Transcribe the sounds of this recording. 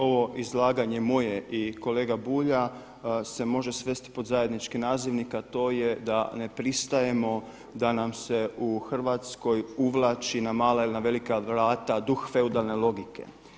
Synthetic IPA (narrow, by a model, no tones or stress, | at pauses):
o̞ʋo̞ʔizlˠaːɡaɲe̞mo̞jeʔiko̞leːɡabuːʎa | se̞mo̞ʒe̞sʋe̞st̪i̥po̞d̪zaje̞d̪nit͡ʃkinaːziʋnikat̪o̞ːje̞d̪ane̞pɾist̪aje̞mo̞ | d̪anamse̞uxr̩ʋat̪sko̞juʋlˠaːt͡ʃinamaːlailinaʋe̞likaʋɾaːt̪ad̪uxfe̞ud̪alˠne̞lˠo̞ɡikʰe̞̰